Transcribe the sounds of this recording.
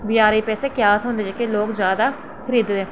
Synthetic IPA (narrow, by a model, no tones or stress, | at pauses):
bɪjaːɾipɛːsekjaːt̪ɦõːnd̪ed͡ʒeːkeloːɡzjaːd̪a | kʰəɾiːd̪t̪ɦɛ̃ː